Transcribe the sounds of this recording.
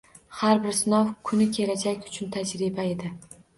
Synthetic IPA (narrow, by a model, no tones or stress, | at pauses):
haɾbɪɾsɪnɒwkʰʊnɪkʲʰe̞lad͡ʒakʲʊ̥t͡ʃʰʊnt̪ʰad͡ʒɾɪbae̞d̪ɪ